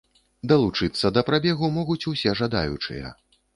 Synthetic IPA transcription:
d̪ɐlˠut͡ʂɨt̪sːɐd̪ɐpɾabʲɛɣumɔɣut͡sʲusʲɛʐad̪a̰jṵt͡ʂɨ̰jɐ̰

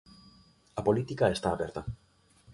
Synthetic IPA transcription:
apolit̪ikaest̪aːβɛɾt̪ɐ

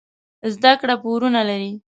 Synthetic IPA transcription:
zd̪akɽapoɾunalaɾi

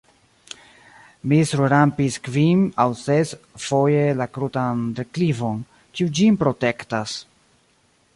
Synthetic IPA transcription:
misuɾuɾampiskvimawsesfo̞jelakɾutandeklivo̞n | kiud͡ʒimpɾo̞te̞ktas

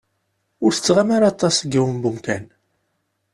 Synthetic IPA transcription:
ʊɾθə̥t͡sːʁamaɾat̪ˤːɑsɡːiwəmbumkæn

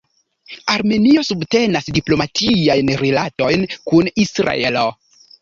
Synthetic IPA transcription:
aɾme̞nio̞subte̞nasdiplo̞matʰijajnɾelato̞jnkunisɾa̰e̞lo

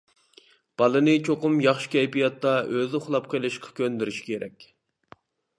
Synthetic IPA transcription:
b̥ɑlˠɨnɨt͡ʃʰoqʊmjɑχʃi̥kʲʰɛjpijɑt̪ːɑʔøzʊχlˠɑp̚qʰəjlˠɨʃqʰɑ̥kʲʰønd̪yɾyʃi̥kʲʰeɾɛ̰kʲ

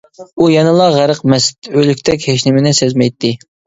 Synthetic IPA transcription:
ujɑnɨlˠɑʁæɾəqmɛst̪ølykʲt̪ʰɛk̬ʲheʃnɪmɪnɪsezmɛjt̪ʰːɪ

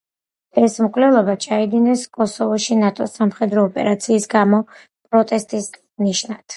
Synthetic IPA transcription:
ɛsmkʼvlɛlˠɔbat͡ʃʰaid̪inɛskʼɔsɔvɔʃinat̪ʼɔsamχɛd̪ɾɔːpʼɛ̰ɾat̪sʰiːsɡamɔ | pʼɾɔt̪ʼɛst̪ʼis | niʃnad̪̥ʰ

